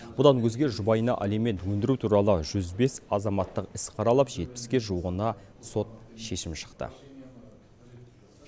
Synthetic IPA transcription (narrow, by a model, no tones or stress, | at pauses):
bʊd̪ɑnwɵzɡʲe̞ʒʊbɑjənɑ̰ʔæleme̞t̪wɵnd̪ɪɾut̪ʰuɾɑlˠəʒʏzbe̞sɑzɑmɑt̪ːəqɪsqʰɑɾɑlˠəpʒe̞t̪̚pɪ̥skʲe̞ʒuwəʁənɑso̞t̪̚ʃe̞ʃɪmʃə̥qt̪ə̰